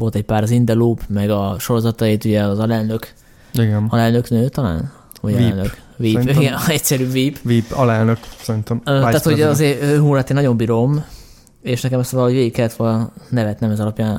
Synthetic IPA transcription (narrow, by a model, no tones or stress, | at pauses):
vo̞lt̪ɛcpaːɾɒzind̪ɛluːpmɛɡɒʃo̞ɾo̞zɒt̪ɒit̪uɟɛɒzɒlɛlnøk | iɡɛnɒlɛlnøknøːt̪ɒla̰ːn | ɔɟlnøkkviːiɡɛnɛcsɛɾyːviːpviːpɒlɛlnøksɛɾint̪omøaːt̪hoɟɒzeːøɦuːlat̪eːnɒɟo̞mbiɾo̞m | eʃnɛkɛmɛst̪ʋɒlho̞ɟʋeːɡikːɛlːɛt̪ʋolnnɛvɛt̪nɛmɛzɒlɒpjaːn